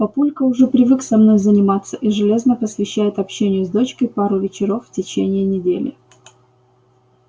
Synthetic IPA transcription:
pɐpulʲkəʊʐɛpɾʲɪvɨksɐmno̞jzənʲɪmat̪sːəʔiʐɨlʲe̞znəpəsvʲɪɕːæjɪt̪ɐpɕːenʲɪjʊzd̪o̞t͡ɕkəjpaɾʊvʲɪt͡ɕɪɾo̞fːtʲɪt͡ɕenʲɪɪnʲɪdʲelʲɪ̰

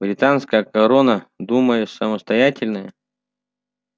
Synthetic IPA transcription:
bɾʲɪt̪anskəjəkɐɾonəd̪uməjɪsəməst̪ɐjatʲɪlʲnəjə

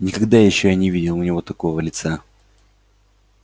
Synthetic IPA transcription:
nʲɪkɐɡd̪ajɪɕːojanʲɪvʲidʲɪlˠʊnʲɪvo̞t̪ɐko̞vəlʲɪt̪sa

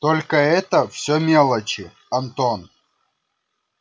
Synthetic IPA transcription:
t̪olʲkəɛt̪əfsʲomʲelˠət͡ɕɪ | ɐnt̪on

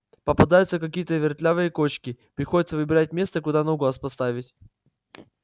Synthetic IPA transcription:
pəpɐd̪ajʊt̪səkɐkʲijət̪əvʲɪrt̪lʲavɨjəko̞t͡ɕkʲɪpɾʲɪxodʲɪt̪səvɨbʲɪɾat̚ʲmʲe̞st̪əkʊd̪anoɡoɐspɐst̪avʲɪtʲ

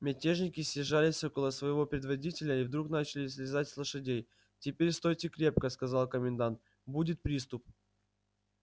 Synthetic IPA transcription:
mʲɪtʲe̞ʐnʲɪkʲɪsʲːɪʐalʲɪsʲokəlˠəsvəjɪvo̞pɾʲɪd̪vɐdʲitʲɪlʲəivd̪ɾukn̪at͡ɕɪlʲɪs̬ʲlʲɪzatʲslˠəʂɨdʲej | tʲɪpʲeɾʲst̪o̞jtʲɪkɾʲe̞p̚kəskɐzalˠkəmʲɪnd̪ant̪ | budʲɪt̪̚pɾʲist̪ʊp̚

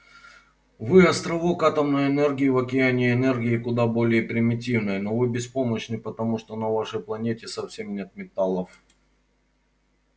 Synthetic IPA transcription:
vɨɐst̪ɾɐvokat̪əmnəjɛnɛrɡʲɪːvɐkʲɪanʲɪɪnɛrɡʲɪːkʊd̪abo̞lʲɪjəpɾʲɪmʲɪtʲivnəjno̞vɨbʲɪspoməɕnɨpət̪ɐmuʂt̪onɐvaʂəjplˠɐnʲetʲɪsɐfsʲe̞mnʲet̪̚mʲɪt̪alˠəf

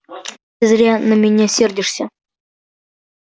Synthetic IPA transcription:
ɪzɾʲanəmʲɪnʲasʲerdʲɪʂsʲə

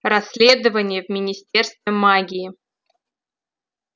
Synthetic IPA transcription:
rɐsʲːlʲed̪əvənʲɪjəvmʲɪnʲɪsʲtʲerst̪vʲɪmaɡʲiɪ

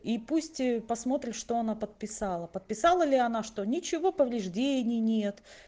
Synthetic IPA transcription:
ipusʲtʲpɐsmo̞t̪ɾʲɪʂt̪o̞ɐnapət̪̚pʲɪsalˠəpət̪̚pʲɪsalˠəlʲɪɐnaʂt̪o̞nʲɪt͡ɕɪvo̞pəvlʲɪʐdʲenʲɪjnʲe̞t̪

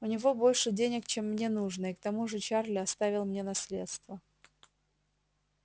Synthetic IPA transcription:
ʊnʲɪvo̞bo̞lʲʂɨdʲenʲɪkt͡ɕe̞mːnʲe̞nuʐnɨɪkt̪ɐmuʐɨt͡ɕarlʲɪɐst̪avʲɪlˠmnʲe̞nɐsʲlʲe̞̰t̪st̪və

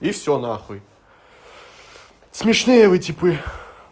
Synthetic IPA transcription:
ifsʲɔnaxʊj | smʲɪʂnʲejəvɨtʲipɨ

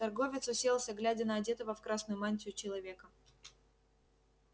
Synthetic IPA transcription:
t̪ɐrɡo̞vʲɪt̪sʊsʲelˠsʲəɡlʲædʲɪnəɐdʲe̞t̪əvəfkɾasnʊjʊmanʲtʲɪʊt͡ɕɪlˠɐvʲe̞kə

